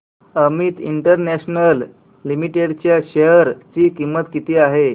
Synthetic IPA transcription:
əmit̪ḭɳʈəɾnæɕnəlː | imiʈeɽt͡ɕjaɕəjəɾt͡ɕiːkimːət̪kit̪iːaɦe

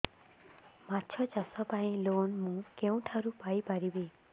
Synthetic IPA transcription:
matːt͡ʃʰɔt͡ʃasɔpaĩlonmũkeũʈʰaɾupajpaɾibe

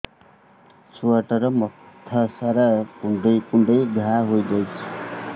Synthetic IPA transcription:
swaʈʌɾʌmʌt̪ʰːʌsaɾakuɳɖʌjkuɳɖʌjɡʱaɦojd͡zʌjt͡sʰʌ̥

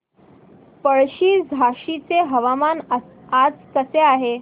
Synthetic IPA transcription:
pəɭɕiːd͡zʱaɕit͡seɦəʋaman | ad͡zkəseaɦe

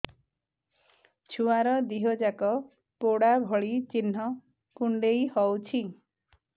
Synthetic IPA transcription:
t͡ʃʰuwaɾʌd̪iɦod͡zakɔ | poɽabʱʌɭit͡sinɦʌ | puɳɖejhʌwt͡sʰi

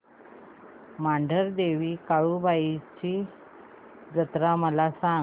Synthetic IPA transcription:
maɳɖʱəɾd̪eʋiːkaɭuːbait͡ɕiː | d͡zət̪ɾaməlasaŋ

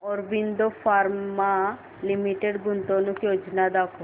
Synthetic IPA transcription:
ɔɾbind̪ofaɾa | limiʈeɖɡunt̪onukjod͡ʒnad̪akʰɔ

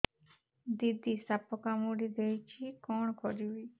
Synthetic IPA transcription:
d̪id̪isapkamuɽid̪eit͡ʃʰikɔːɳkʰɔɾiuiː

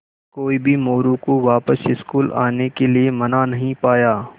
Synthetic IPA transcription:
koːibʱimoːɾũkoʋaːpəsɪskuːla̰ːnekeliemɐnanɐɦĩpaːjaː

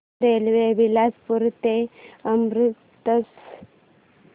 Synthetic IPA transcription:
elʋeʋilad͡zpuɾt̪eəmɾut̪ːəs

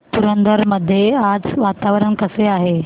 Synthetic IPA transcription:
t̪uɾənd̪əɾməd̪ʱːjead͡zʋat̪aʋɾəɳkəseaɦe

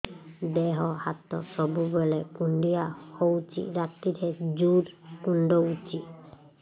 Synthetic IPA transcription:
dɛɦɔhat̪ːɔ̰sɔbubɔlɛkunɖijahowt͡ʃḭɾat̪ːitʰɛd͡ʒuɾkunɖɔut͡ʃi

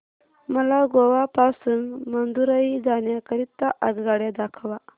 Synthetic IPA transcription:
məlaɡoʋapasunmənd̪uɾaɦid͡zanjakəɾit̪ːaʔəɡɡaɽjed̪akʰʋa

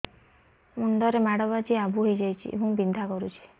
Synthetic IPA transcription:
muɳɖɔɾemaɽɔbat͡ʃiabuɦojd͡ʒajt͡ʃʰḭʔḛɦũbind̪ʱakɔɾut͡ʃʰi̥

